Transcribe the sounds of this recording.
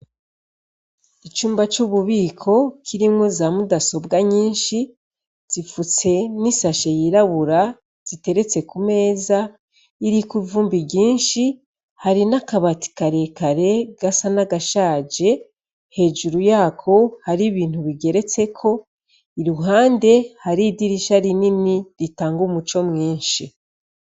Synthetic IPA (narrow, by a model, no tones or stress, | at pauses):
it͡ʃuːmbat͡ʃuβuβiːkʰo̞kʰiɾimŋozaːmudaso̞bɡaɲiːnʃi | z̥ifut͡se̞nisaʃejiɾaβuɾa | z̥ite̞ɾe̞t͡se̞kume̞ːza | iɾikivuːmbibɟiːnʃi | haɾinakaβati̥kaɾe̞kaɾe̞ɡasanaɡaʃaːd͡ʒe̞ | he̞ːʒuɾujaːkʰo̞haɾiβiːn̥huβiɡe̞ɾe̞t͡se̞kʰo̞ | iɾuɦaːnde̞haɾidiɾiʃaɾininiɾitaːŋɡumut͡ʃo̞mŋiːnʃi